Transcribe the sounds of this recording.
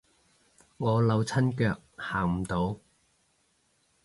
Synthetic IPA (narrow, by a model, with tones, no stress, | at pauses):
ŋɔː˨˧lɐ˨˧wt͡sʰɐ˥nkœː˧k̚haː˨˩ŋm̩˨˩t̪o˨˥w